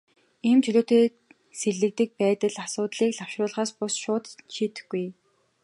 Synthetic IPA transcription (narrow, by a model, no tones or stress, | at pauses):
iːmt͡ɕʰɵɮoːt̪eː | seɮɘ̆k̚t̪ɘ̆k̚pæːt̪ə̆ɮasʊːt̪ɮiːkɮaw̥ʃrʊːɮʁaːspʊsʃʊːt̪ʃiːt̪ɘ̥̆xɡːuj